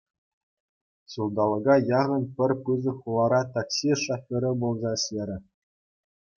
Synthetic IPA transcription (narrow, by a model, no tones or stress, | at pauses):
sulˠd̪ɑlˠɤ̆ɡɑjɑʁɤ̆npʲɘ̆rʲpɯzɤ̆χulˠɑɾɑt̪ɑksiʂɑfʲŏɾʲɘ̆bulˠzɑɕʲeɾʲɘ̆